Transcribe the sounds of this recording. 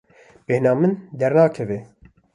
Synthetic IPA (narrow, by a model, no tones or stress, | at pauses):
b̥eːhnɑːmɨnd̪ɛɾnaːkʰɛve